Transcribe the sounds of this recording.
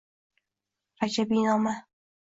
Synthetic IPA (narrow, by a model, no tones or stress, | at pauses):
ɾad͡ʒabinɒma